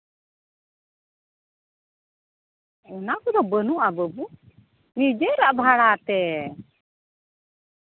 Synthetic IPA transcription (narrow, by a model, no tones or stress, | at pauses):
ɔnakɔd̪ɔbənuʔabəbu | nid͡ʒəɾaʔbʱaɽat̪ɛ